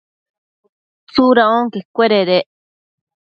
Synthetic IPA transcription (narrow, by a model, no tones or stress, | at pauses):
t͡suɾãõŋkekʷeɾeɾeʔ